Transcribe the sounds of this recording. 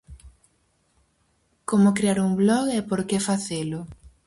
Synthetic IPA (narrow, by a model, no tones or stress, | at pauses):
komʊkɾeaɾuŋblɔɣɛpoɾkefaθelʊ